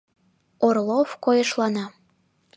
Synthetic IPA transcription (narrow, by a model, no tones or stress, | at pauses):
orlˠofkojɤʃlɑnɑ